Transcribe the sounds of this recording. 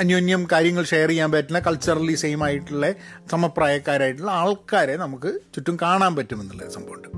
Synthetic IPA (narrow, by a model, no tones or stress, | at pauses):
ɐnjoːnjɐmkaːɾjɐŋːɐɭʂejɐrijːaːmpɐtːulːɐkɐɭt͡ɕːɐrɐlisejmaːjiʈːuɭːɐsɐmɐpraːjɐkːaːɾaːjiʈːuɭːɐaːɭkaːɾenɐmukːɨt͡ɕutːumkaːɳaːmpɐtːumenːilːɐ̰sɐmbʱoʋɐɳɖɨ